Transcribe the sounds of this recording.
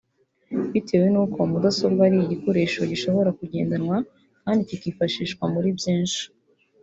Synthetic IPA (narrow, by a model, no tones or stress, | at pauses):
βitʰe̞ːwenuːko̞mudaso̞ɾɡaɾiiɟiko̞ɾe̞ːʃo̞ɟiʃo̞βo̞ɾakuɟe̞ːndanŋwa | kaːndicikifaʃiːʃkwamuɾibjiːnʃi̥